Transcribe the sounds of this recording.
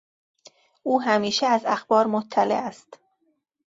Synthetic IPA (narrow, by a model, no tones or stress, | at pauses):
ʔuːɦæmiːʃeæzæxb̥ɒːɾmot̪ʰːælḛʔæst̪